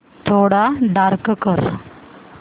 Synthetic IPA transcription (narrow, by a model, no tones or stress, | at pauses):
t̪ʰoɽaɖaɾkkəɾ